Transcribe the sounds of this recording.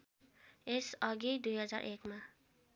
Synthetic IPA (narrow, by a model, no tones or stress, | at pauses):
esʌɡid̪ujɦʌd͡za̰rʔekma